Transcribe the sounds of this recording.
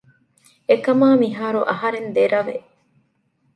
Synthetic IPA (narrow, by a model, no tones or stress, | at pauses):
ekɐmaːmiɦaːɾuʔɐɦɐɾend̪eɾɐʋe